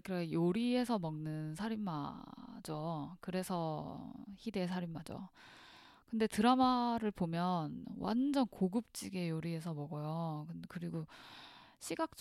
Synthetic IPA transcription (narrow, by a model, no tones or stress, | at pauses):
kɯɾejoɾie̞sʰʌmʌŋnɯnsʰaɾimːad͡ʑokɯɾe̞sʰʌ | çide̞s̬ʰaɾimːad͡ʑo̰ | kɯnde̞tɯɾamaɾɯɭpomjʌnwa̰nd͡ʑʌnkoɡɯp̚t͡ɕ͈iɡe̞joɾie̞s̬ʰʌmʌɡʌjokɯkɯɾiɡo | ɕʰiɡak̚t͡ɕ͈